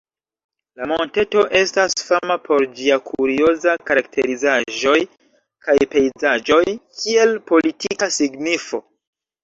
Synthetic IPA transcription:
lamo̞nte̞to̞ʔe̞stasfamapʰo̞ɾd͡ʒiakʰuɾio̞zakaɾak̚tʰe̞̰ɾizaʒo̞j | kajpe̞jzad͡ʒo̞jkʰie̞lpo̞litikasiɡnifo̞

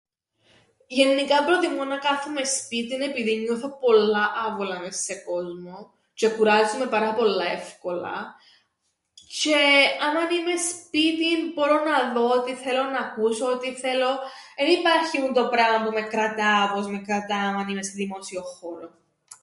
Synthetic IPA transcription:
ʝe̞nːikɐpɾot̪imonɐkɐθume̞spit̪ine̞piðiɲːuθɐpo̞lːɐʔɐvolɐmesːe̞ko̞zmo̞ | ce̞kuɾɐzume̞pɐɾɐpo̞lːɐe̞fko̞lɐ̰ | ce̞ɐmɐnime̞spit̪inbo̞ɾo̞nɐðo̞ot̪iθe̞lo̞nɐːkuso̞ot̪iθe̞lo̞enipɐɾçimunt̪o̞pɾɐmɐpume̞kɾɐt̪ɐpo̞zme̞kɾɐt̪ɐːmɐnimest̪eðimo̞sio̞xo̞ɾo

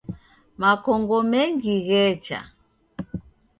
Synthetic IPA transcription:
makɔŋɡɔmɛŋɡiɣɛt͡ʃa̰

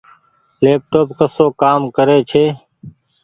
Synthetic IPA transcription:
leːp̚ʈoːpkəsoːkaːmkəɾeːt͡ʃʰeː

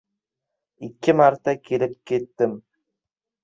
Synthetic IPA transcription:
ikʲːɪmaɾt̪ːɑkʲʰelɪp̚kʲʰet̪ːɪm

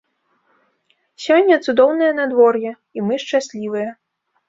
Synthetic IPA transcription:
sʲɔnʲːɐt̪sud̪ɔwnɨjɐnad̪vɔrjɛ | imɨʂt͡ʂasʲlʲivɨjɐ

